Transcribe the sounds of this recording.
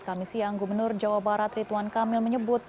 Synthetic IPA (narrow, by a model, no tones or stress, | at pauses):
kamisiaŋɡumənʊrd͡ʒawabaɾat̪rit̪uankamɪlməɲəbʊt̪̚